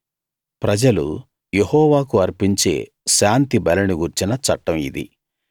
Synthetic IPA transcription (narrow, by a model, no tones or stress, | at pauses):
pɾɐd͡ʒɐlṵ | jehɔːʋaːkuɐɾpiɲt͡ʃe̞̰ː | ʃaːnt̪ibɐlɐniɡuɾt͡ʃinɐt͡ʃɐʈːɐmid̪ḭ